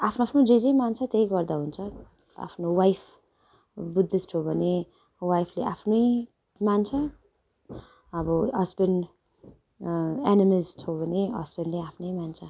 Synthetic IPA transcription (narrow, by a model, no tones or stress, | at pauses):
apʰnoapʰnod͡zʌd͡zʌjmant͡sʰat̪ejɡʌrd̪aɦunt͡sʰʌ | a̰pʰnowajpʰ | bud̪ːisʈʰobʱʌne | wajpʰleʔapʰnʌj | mant͡sʰa | bʌɦʌsbenɖ | enimizʈʰobʱʌneɦʌ̰zbenɖleapʰnʌjmant͡sʰa